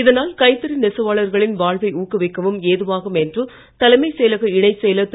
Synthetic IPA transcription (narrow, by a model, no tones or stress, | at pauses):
ɪðɐnaːlkɐɪt̪ːɐɾɯnɛsɐʋaːɭɐɾɣɐɭɪnʋaːɭʋɐɪuːkːɯʋɪkːɐʋɯmeːðɯʋaːɣɐmɛndrɯ | t̪ɐlɐɪmɐɪsɛːlɐɣɐɪɳɐɪsɛjlɐt̪ː